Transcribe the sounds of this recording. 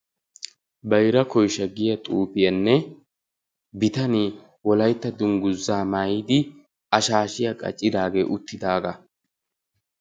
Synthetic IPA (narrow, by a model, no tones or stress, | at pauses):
bɐjɾɐkɔjʃɐɡɪjɐt̪ʼuːpɪjɐnːɛ | bɪt̪ɐniː | wɔlɐjt̪ːɐd̪ʊŋɡʊzːaːmaːjiːd̪ɪ | ɐʃaːʃɪjɐkʼɐ̰t͡ʃʼːɪd̪aːɡe̞ːʔʊt̪ːɪd̪aːɡɐ